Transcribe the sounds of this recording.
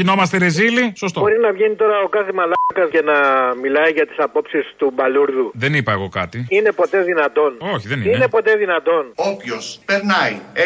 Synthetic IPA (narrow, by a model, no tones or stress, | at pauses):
cino̞mɐst̪eɾezilisost̪obo̞ɾinɐvʝenit̪o̞ɾɐo̞kɐθimɐlɐkɐsce̞nɐmilɐiʝɐt̪i̥sɐpo̞psist̪ubɐluɾðuðenipɐeɣo̞kɐ̰t̪iine̞po̞t̪e̞ðinɐt̪o̞noçiðeniine̞po̞t̪e̞ðinɐt̪o̞nopçospeɾnɐj